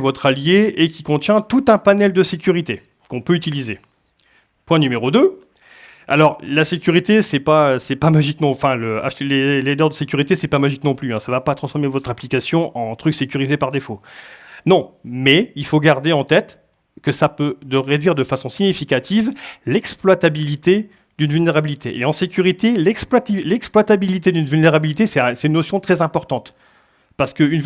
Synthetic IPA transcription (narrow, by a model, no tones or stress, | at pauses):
vɔt̪χaljeekʲikɔ̃t̪jɛ̃t̪ut̪ɛ̃panɛld̪əsekʲyʁit̪e | kɔ̃pøyt̪ilize | pwɛ̃nymeʁod̪ø | a̰lɔʁlasekʲyʁit̪esɛpaøsɛpamaʒiknɔ̃fɛ̃ləa̰ʃleled̪œʁd̪əsekʲyʁit̪esɛpamaʒiknɔ̃plyɛ̃savapat̪χɑ̃sfɔʁmevɔt̪χaplikasjɔ̃ʔɑ̃t̪χyksekʲyʁizepaʁd̪efonɔ̃mɛilfoɡaʁd̪eɑ̃t̪ɛt̪ | kəsapød̪əʁed̪ɥiʁd̪əfasɔ̃siɲifikat̪ivlɛksplwat̪abilit̪e | d̪ynvylneʁabilit̪ʰeʔeɑ̃sekʲyʁit̪elɛksplwat̪ilɛksplwat̪abilit̪ed̪ynvylneʁabilit̪esɛsɛ̥t̪ynːosjɔ̃t̪χɛzɛ̃pɔʁt̪ɑ̃t̪ | paʁsə̥kəyn